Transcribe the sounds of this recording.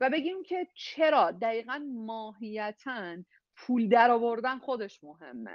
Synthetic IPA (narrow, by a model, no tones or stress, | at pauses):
væbe̞ɟiːmcʰe̞t͡ʃʰe̞ɾɒːd̪æjiːɣænmɒːɦijæt̪ʰæn | pʰuːld̪æɾɒːvo̞ɾd̪ænxod̪e̞ʃmoɦe̞̰mːḛ